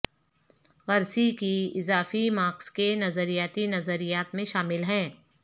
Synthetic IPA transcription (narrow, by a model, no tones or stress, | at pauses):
ɣɐɾsikiɪzaːfimaːkskenɐzəɾijaːt̪inɐzəɾijaːt̪mẽʃaːmɪlɦɛ̃ː